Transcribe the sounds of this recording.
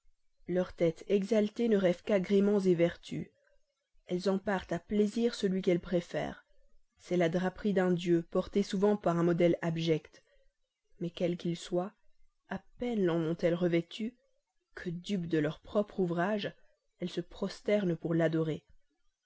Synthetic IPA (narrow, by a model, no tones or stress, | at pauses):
lœʁt̪ɛt̪ʰɛɡzalt̪enəʁɛvkaɡʁemɑ̃zevɛʁt̪ʰy̰ | ɛlzɑ̃paʁt̪apleziʁsəlɥikɛlpχefɛ̰ːʁ | sɛlad̪ʁapχid̪ɛ̃d̪jøpɔʁt̪esuvɑ̃paʁɛ̃mɔd̪ɛlabʒɛkt̪ | mɛkʲɛlkʲilswa | apɛnlɑ̃mɔ̃t̪ɛlʁəvɛt̪ʰy | kʰəd̪ypd̪əlœʁpχɔpχuvʁaʒ | ɛlsəpχɔst̪ɛʁnpuʁlad̪ɔʁe